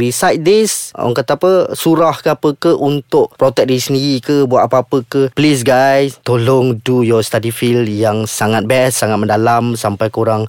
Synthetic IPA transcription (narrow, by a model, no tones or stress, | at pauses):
ɾisajt̪̚d̪isɔ̰ŋkat̪apəsuɾahkəapəkəʔunt̪ʊʔpɾot̪ɛk̚diisəndiɾikəbuat̪̚apaapəkəplis̬ɡajst̪olɔŋdujɔst̪adifiljaŋsaŋat̪̚bɛsːaŋat̪̚mə̃ndalamsampajkuɾaŋ